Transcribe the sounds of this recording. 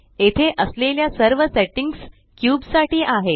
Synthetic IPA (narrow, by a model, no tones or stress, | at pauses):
et̪ʰeʔəsleljasəɾʋəseʈiŋɡs | kjuːbsaʈiːʔaɦe